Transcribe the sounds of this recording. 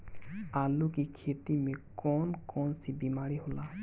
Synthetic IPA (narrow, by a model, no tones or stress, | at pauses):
alukikʰetimekɔnkɔnsibimaɹihola